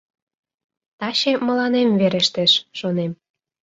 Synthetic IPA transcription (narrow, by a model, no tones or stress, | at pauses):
t̪ɑɕemə̆lɑnemveɾeʃt̪eʃʃonem